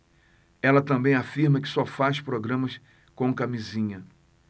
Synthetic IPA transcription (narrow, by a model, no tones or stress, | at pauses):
ɛlɐt̪ɐ̃bẽj̃afiɾmɐkɪ̥sɔfaspɾoɡɾɐ̃mɐs | kõkamizĩɲɐ